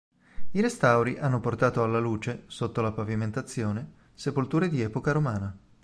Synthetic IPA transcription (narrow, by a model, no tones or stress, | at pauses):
iɾest̪awɾiʔanːoport̪aːt̪oalːaluːt͡ʃesot̪ːolapaviment̪at̪sːjoːne | sepolt̪uːɾed̪iɛːpokaɾomaːna